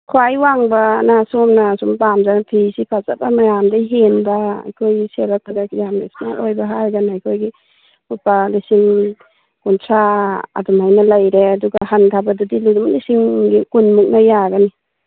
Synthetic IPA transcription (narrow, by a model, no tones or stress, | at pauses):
kʰwajwaŋbanasomnasumpamzaŋpʰisipʰazabamajamdajɦenbaa̰jkʰojselak̚tʰaɡakjamnasna̰ʔojbaɦaɾɡanajkʰojɡi | hupalisiŋ | kunsʰaa̰dumajnalajɾeaduɡahantʰabadudiludumlisiŋɡikunmuk̚najaɡani